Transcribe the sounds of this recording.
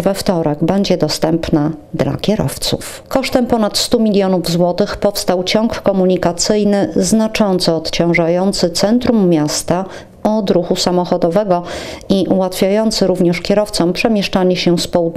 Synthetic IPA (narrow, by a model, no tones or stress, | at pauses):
vɛft̪ɔɾɛɡbɛɲd͡ʑɛd̪ɔst̪ɛmpnad̪la̰kʲjɛɾɔ̰ft̪sṵf | kɔʂt̪ɛmpɔnat̪st̪umʲilʲjɔnuvzwɔt̪ɘxpɔfst̪awt͡ɕɔŋkkɔmuɲikat̪sɘjnɘznat͡ʂɔnt̪sɔːt̪t͡ɕɔ̃w̃ʐajɔnt̪sɘt̪sɛnt̪ɾumːʲjast̪a | ɔd̪ɾuxusamɔxɔd̪ɔvɛɡɔiʔuwat̪fʲjajɔnt̪sɘɾuvɲɛʂkʲɛɾɔft̪sɔmpʂɛmʲjɛʂt͡ʂaɲɛɕɛspɔu